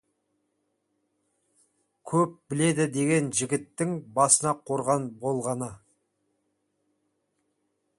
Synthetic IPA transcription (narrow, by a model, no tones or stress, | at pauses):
kʲʰɵp̚bɪle̞d̪ɪd̪e̞ɡʲe̞nʒɪɡʲɪt̪ːɪŋbɑsənɑqʰo̞ɾʁɑnbo̞lˠʁɑnə